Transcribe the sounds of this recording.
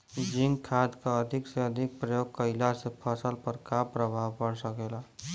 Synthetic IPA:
d͡ʒɪ̃ŋɡkʰad̪kaəd̪ʱɪkseəd̪ʱɪk̚pɾəjoɡ̚kəɪlasepʰəsəlpəɾkapɾəbʱaʋpəɽsəkela

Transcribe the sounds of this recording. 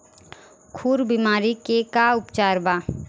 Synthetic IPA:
kʰuːɾbimaːɾikekaʊpt͡ʃaːɾbaː

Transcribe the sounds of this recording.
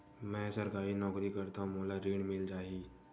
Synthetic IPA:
mɛ̃ːsəɾkaːinɔːkɾikɐɾt̪aɦũmoːlaɾiːɽmɪld͡ʒaːiː

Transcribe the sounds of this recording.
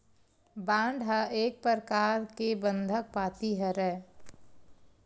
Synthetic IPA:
bãːɳɖɦəeːk̚pəɾkaːɾkebə̃nd̪ʱək̚paːt̪iɦɛɾɛ

